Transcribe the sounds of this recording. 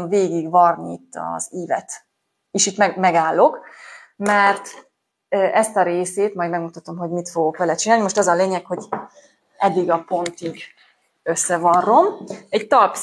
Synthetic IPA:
mveːɡiɡʋɒrniit̪ːɒ̰z̥iːvɛ̰t̪ | iʃit̪mɛmɛɡaːlːo̞k | mɛrt̪ | øʔɛst̪ɒɾeːseːt̪mɒjd̪mɛɡmut̪ɒt̪o̞mɦo̞ɟmit̪foɡokʋɛlɛt͡ʃinaːlnimo̞ʃt̪ɒzɒleːɲɛkho̞ɟ | ɛd̪ːiɡɒpo̞nt̪iɡ | ø̞sːɛvɒnro̞mɛɟt̪ɒlp

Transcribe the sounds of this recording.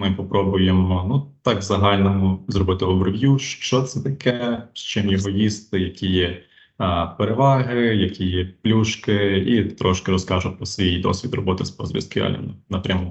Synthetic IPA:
mɪpɔpɾɔbʊjemɔnut̪ɑkzɐɦɑlʲnɔmʊzɾɔbɪt̪ɪɔbɾɔʋjuʃt͡ʃɔt̪sɛt̪ɐkɛʃt͡ʃɪmjɔɦɔjist̪ɪjɐkʲijɛ | peɾeʋɑɦɪjɐkʲijɛplʲuʃkɪit̪ɾɔʃkɪɾɔskɑʒʊpɾɔsʋʲijd̪ɔ̰sʲʋʲid̪rɔbɔt̪ɪspɔzɾʲḭskɪ̰a̰lʲḭmnnɐpɾʲɐmu

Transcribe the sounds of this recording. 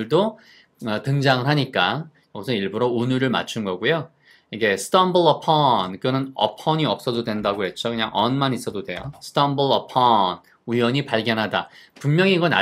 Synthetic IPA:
ɭdo | ʌtɯŋd͡ʑaŋɯɭɦaɲik͈a | jʌɡʌsʰʌniɭbuɾounuɾɯɭma̰t͡ɕʰunɡʌɡujo | iɡe̞sʰɯ̥tʌmbɯɭʌpʰʌnkɯʌnɯnʌ̰pʰʌɲiʌp̚s͈ʌdodwe̞ndaɡoɦe̞t͡ɕ͈okɯɲaŋʔʌ̰nmanis͈ʌdodwe̞josʰɯ̥t͈ʌmbɯɭʌpʰʌn | ujwʌɲipaɭɡjʌnɦadapummjʌŋiŋɡʌna̰

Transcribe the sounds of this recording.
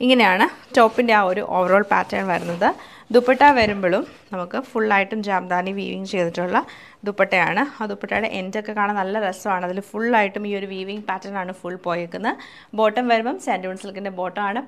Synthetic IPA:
iŋːɐne̞jaːɳɨto̞ːpːinde̞aːoɾṵʔoːʋɐro̞ːɭpa̰ːtːaːɳʋɐɾunːɐðɨ | d̪upːɐʈːaːʋɐɾumboɭum | nɐmukːɨfuɭːaːjiʈːumd͡ʑaːmd̪aːniʋḭːʋḭŋɡt͡ɕe̞jt̪iʈːuɭːɐ | d̪upːɐʈːɐja̰ːɳɨad̪upːɐʈːɐjɽḛʔendokːe̞kːaːɳɐnɐlːɐresɐʋaːɳɨɐðilumfuɭaːjiʈːumiːo̞ɾuʋiːʋiŋɡpaːtːɐnaːɳɨfuɭːpo̞ːjekːunːɐ | bo̞ːʈːɐmʋɐɾumɐmsaːnduuɳsɐlkːindebo̞ːʈːɐmaːɳɨ

